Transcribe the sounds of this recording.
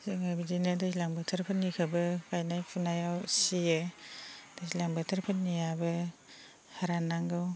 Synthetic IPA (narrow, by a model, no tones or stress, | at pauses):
zeŋabidinɯdasilaŋbɯtʰɯɾpʰɯnikʰɯbɯkajnajpʰunajawsije | d̥azilaŋbɯtʰɯɾpʰɯtnijabɯ | haɾanːaŋɡɯw